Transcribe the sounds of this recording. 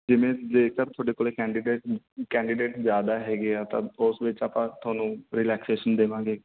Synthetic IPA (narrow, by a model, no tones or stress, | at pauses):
d͡ʒɪʋẽːleːkəɾt̪ʰoaːɖeːkoːɽeːkɛːɳɖɪɖeː | kɛ̃ːɳɖɪɖeːʈzjaːd̪aːɦɛːɡeːaːt̪ã̰ːʊsʋɪt͡ʃaːpãːt̪ʰaːnũːɾɪlɛːkseːʃənd̪eːʋãːɡeː